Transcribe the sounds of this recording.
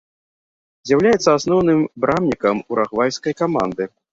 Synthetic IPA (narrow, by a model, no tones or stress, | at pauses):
zʲjawlʲajɛt̪sːɐasnɔwnɨmbɾʔamnʲikɐmuɾaɣvajskɐjkama̰nd̪ɨ